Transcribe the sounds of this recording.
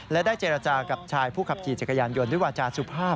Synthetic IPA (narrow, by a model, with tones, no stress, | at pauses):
lɛ˦˥daː˥˩jt͡ɕeː˧ɾa˧t͡ɕaː˧ka˨˩p̚t͡ɕʰaː˧jpʰuː˥˩kʰa˨˩p̚kʰiː˨˩tt͡ɕa˨˩kːa˧jaː˧njo˧ndu˥˩˨jwaː˧t͡ɕaː˧su˨˩pʰaː˥˩p̚